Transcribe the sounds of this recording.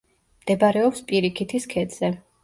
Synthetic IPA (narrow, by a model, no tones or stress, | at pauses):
md̪̥ɛbaɾɛɔpspʼiɾikʰit̪ʰiskʰɛd̪z̥ɛ